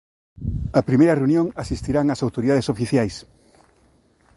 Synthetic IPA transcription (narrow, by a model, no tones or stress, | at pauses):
ɐpɾimejɾɐreunjõŋasist̪iɾaŋasawt̪oɾiðaðesofiθjajs